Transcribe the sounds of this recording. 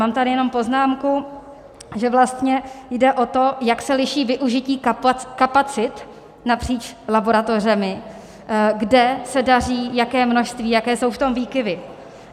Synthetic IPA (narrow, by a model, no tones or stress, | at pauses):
maːmt̪adɪjɛno̞mpo̞znaːmku | ʒɛvlast̪ɲɛjdɛʔo̞t̪o̞jaksɛlɪʃiːvɪʔuʒɪciːkapat͡sɪt̪ | napr̝̥iːt͡ʃlabo̞ɾat̪o̞rɛmɪ | ɡdɛsɛdar̝iːjakɛːmno̞ʃst̪viːjakɛːso̞wft̪o̞mviːkɪvɪ